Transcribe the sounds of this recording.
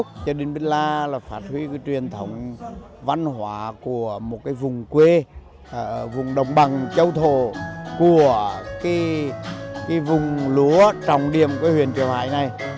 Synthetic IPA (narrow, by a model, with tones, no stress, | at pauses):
k͡p̚t͡ɕɔ˧ɗe˨˦nɓe˧nlaː˧laː˨˩faː˦˥t̚hwi˧kaː˨˦jt͡ɕwi˨˩ənt̪ʰə˨˦wŋ͡m | va˧nɦwaː˨˧˦ku˧˩əmo˨˩t̚kaː˨˦jvʊ˨˩ŋ͡mkwe˧ | vʊ˨˩ŋ͡mɗə˨˩wŋ͡mɓa˨˩ŋt͡ɕə˧wt̪ʰo̰˧˨ku˧˩əkaː˨˦ | kaː˨˦jvʊ˨˩ŋ͡mlu˨˦ət͡ɕɔ˨˩wŋ͡mɗḭ˧˩əmkaː˧˨˦hwḭ˧˨ənt͡ɕḭ˧˩əwha̰ː˧˨jna˨˩j